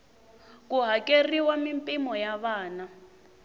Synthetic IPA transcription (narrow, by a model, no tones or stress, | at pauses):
k̬ʼuɦakʼeriwamimpʼimɔjaβaːna